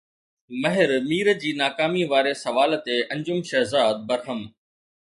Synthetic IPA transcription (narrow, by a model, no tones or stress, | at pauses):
mɐɦɪɾmiːɾə̆d͡ʑiːnaːkaːmiʋaːɾesɐʋaːlt̪eʔɐ̃ɲd͡ʑʊmʃɐɦzaːd̪̚bɐɾɦəm